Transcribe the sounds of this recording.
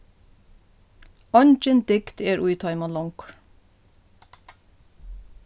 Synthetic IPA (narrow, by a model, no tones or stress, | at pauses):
ɑnt͡ʃənd̪̥ɪkt̪ʰeːɾʔʉɪt̪ʰɑɪmɑlɔŋkɹ